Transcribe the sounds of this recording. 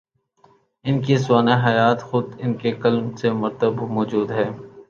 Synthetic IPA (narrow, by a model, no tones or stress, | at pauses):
ɪnkisʊaːneɦɐjaːt̪xʊd̪ɪnkekɐlmsemʊɾt̪əbmɔːd͡ʒuːd̪ɦɛː